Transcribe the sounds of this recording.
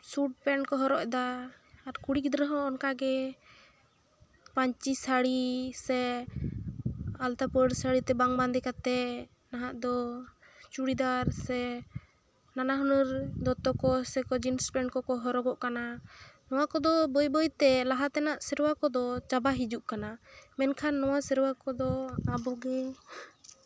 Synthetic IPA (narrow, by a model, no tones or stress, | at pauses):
suʈ̚pɛnkɔɦɔɾɔʔd̪aː | ɾkuɽikd̪ɾəɦɔ̃ːnkaɡɛ | paɲt͡ʃisaɽisɛ | alt̪apəɖsaɽit̪ɛbaŋband̪ɛkat̪ɛ | naɦaʔd̪ɔ | t͡ʃuɽid̪aɾsɛ | nanaɦɔnəɾd̪ɔt̪ɔkɔsɛkɔd͡ʒinspɛɳʈkɔkɔɦɔɾɔɡɔʔkananɔwakɔd̪ɔbɔjbɔjt̪ɛlaɦat̪ɛnaʔsəɾwakɔd̪ɔt͡ʃabaɦid͡ʒuʔkanamɛnkʰanːɔwasəɾwakɔd̪ɔabɔɡɛ